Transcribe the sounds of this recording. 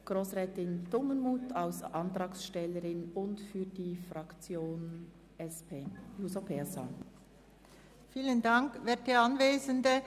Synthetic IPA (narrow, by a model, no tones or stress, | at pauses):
ɡ̥ʁoːsʁɛːtɪnd̥ʊmənmuːtʰaʊsʔɑntɾɑːksʃtɛləɾɪnʊntfyːdiːfrɑkt͡sjoːn | ɛspʰeːjusopʰɛsa̰ | fiːləndɑŋkʋɛːt̚deɑnveːzəndə